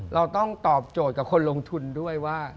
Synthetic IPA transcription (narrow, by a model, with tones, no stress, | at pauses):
ɾa˧wt̪ɔ˥˩ŋt̪ɔː˨˩p̚t͡ɕoː˨˩t̪̚ka˨˩kʰo˧nlo˧ŋt̪ʰu˧ndu˥˩əjwaː˥˩